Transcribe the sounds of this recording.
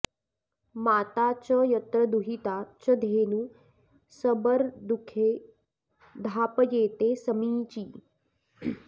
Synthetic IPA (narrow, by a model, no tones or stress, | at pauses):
maːt̪at͡ɕəjət̪ɾəd̪uɦit̪at͡ɕəd̪ʱenu | səbəɾd̪ukʰe | d̪ʱaːpjeːt̪esəmiːt͡ɕiː